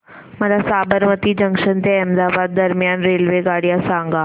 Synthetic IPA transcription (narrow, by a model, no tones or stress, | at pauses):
məɾasabəɾmət̪id͡ʑə̃ŋkʂənt̪eɛmd̪abad̪̚ːəɾmjanɾelʋeɡaɽjasãŋɡa